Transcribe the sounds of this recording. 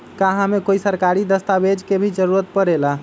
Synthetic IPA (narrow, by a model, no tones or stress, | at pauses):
kaɦamekoisəɾkaɾid̪əst̪abed͡ʒkebʱid͡ʒəɾuɾət̪̚pəɾela